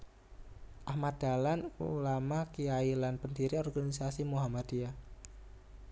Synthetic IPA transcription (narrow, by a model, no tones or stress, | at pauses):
ʔahmad̪̥a̤lanulamahkijailanpəndiɾiɔrɡanisasimuɦamad̪̥ia